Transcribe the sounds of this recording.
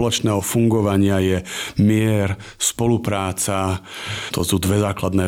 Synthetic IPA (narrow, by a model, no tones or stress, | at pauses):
lɔt͡ʃnɛːɦɔfuŋɡɔʋaɲɪajɛmɪɛɾ | spɔlupɾaːt͡sat̪ɔsud̪ʋɛzaːklad̪nɛː